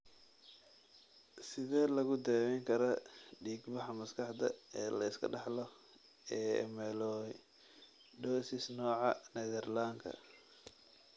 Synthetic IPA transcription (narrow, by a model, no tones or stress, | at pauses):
sɪðɛːlɐɣʊd̪ɛːwɛŋkʰɐɾɐɖiːɡbɑħɑmɐskʰɑħd̪ɐɛːlɐɪskʰɐ̰ɖɑħlɔ | ɛːɛ̰mɛlɔ | ɖɔːsɪsnɔːʕɑnɛðɛrlaŋkʰɐ̰